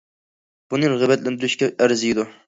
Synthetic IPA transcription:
b̥unɨɾʁɨbɛt̪lɪnd̪ɨɾyʃkʲɛʔæɾzɪjid̪u

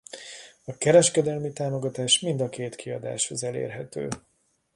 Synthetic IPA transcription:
ɒkɛɾɛʃkɛd̪ɛlmit̪aːmo̞ɡɒt̪aːʃmind̪ɒkeːt̪kʰiɒd̪a̰ːʃho̞zɛlḛːrɦɛt̪ø̰ː

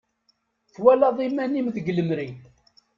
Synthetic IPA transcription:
θwælɑðˤimænimðəɡləmɾin

